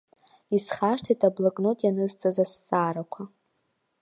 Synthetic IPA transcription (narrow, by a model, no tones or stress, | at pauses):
isχaʂtʰitʼablakʼnotʼjanɨzt͡sʼazast͡sʼaːɾakʷʰa